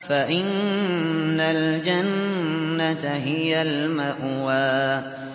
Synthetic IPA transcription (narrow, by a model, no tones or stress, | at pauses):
faʔɪnː | ald͡ʒanːat̪ɦɪjalmaʔwaː